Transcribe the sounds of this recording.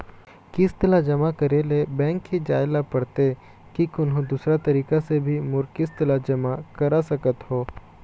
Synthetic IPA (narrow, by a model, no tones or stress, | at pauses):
kɪst̪ɪlad͡ʒɐmakɐɾelebɛ̃ːŋkːid͡ʒaːɪlapɐɽt̪e | kikʊnɦõd̪uːsɾat̪ɐɾiːkasebʱimʊɾkɪst̪ɪlad͡ʒɐmakɐɾasɐkət̪ɦoː